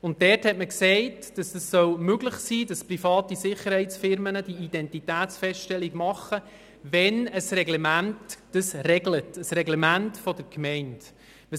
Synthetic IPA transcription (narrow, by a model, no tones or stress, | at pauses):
ʊnt̚dɛːɾthɛtməksɛɪt | d̥ɑsd̥əsːœwmøɡlɪχsiːdɑsprifɑːtisɪχəɾhɛɪt͡sfɪɾmənəd̥iid̥ɛntitæːtt͡sfɛstʃtɛlːiɡmɑχə | ʋɛnəsrɛɡlɛmæntd̥əsrɛɡlətəsɾɛɡlɛmæntfɔdəɾkmɛɪnt | ə